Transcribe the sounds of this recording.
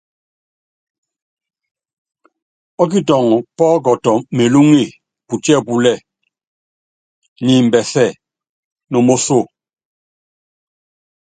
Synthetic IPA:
ɔ˦k̬i˦tɔ˨ŋ˨pɔː˦k̬ɔ˨tɔ˨me˨lu˦ŋe˦˨ | pu˨tɛ˦˨pu˨lɛ˦˨ | ni˨m̩˨bɛ˨sɛ˦˨ | no˨mo˦so˦˨

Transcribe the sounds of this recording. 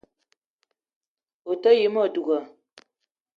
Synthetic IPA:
o˨tə˦ji˨˦mɔ˦˨du˨ɡə˨

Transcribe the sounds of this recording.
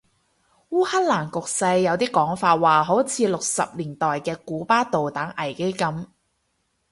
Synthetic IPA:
wuː˥ha˥k̚laː˨˩nkʊ˨k̚sɐ˧jːɐ˨˧wt̪iː˥kɔː˨˥ŋfaː˧t̚waː˨ɦo˨˥wt͡sʰiː˨˧lʊ˨k̚sɐ˨p̚liː˨˩nt̪ɔː˨jkɛː˧kuː˨˥paː˥t̪o˨wt̪aː˨˥ŋʔɐ˨˩jke˥jkɐ˨˥m

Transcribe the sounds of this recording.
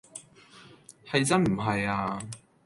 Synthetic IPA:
hɐ˨jt͡sɐ˥nm̩˨˩ɦɐ˨jaː˧

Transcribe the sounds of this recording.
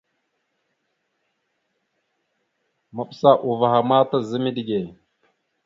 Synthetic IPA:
ma˨ɓsa˦˨ʔu˨va˨ɦa˨ma˦ta˦zə˦mi˦di˨ɡe˨

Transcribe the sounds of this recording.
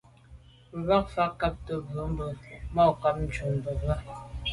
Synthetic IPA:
βa˦k̚fa˦ka˦p̚tə˨bə˨˦m̩˦bə˨mɔ˦˨ka˦p̚n̩˦t͡ʃu˨m˨bə˨ɣa˦˨

